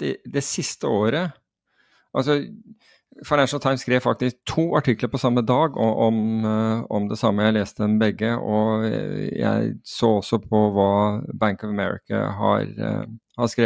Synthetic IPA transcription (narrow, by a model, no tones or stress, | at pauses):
ɪd̪ɛsɪst̪əoːɾə | ʔɑlsɔ | faɪnæʂn̩t̪ʰaɪmskɾeːʋfɑk̚t̪ɪsk̚t̪ʰuːɑʈɪkːləɾpɔsɑmːəd̪ɑːɡɔʔɔm | ɔmd̪ɛsɑmːəjæɪeːst̪əɛnbɛɡːəɔ | jæ̰ɪsoːɔsːɔpʰɔʋɑːbæŋkɔʋəmɛ̰ɹɪ̰kʰə̰ɦɑ̰ɾ | hɑskɾeː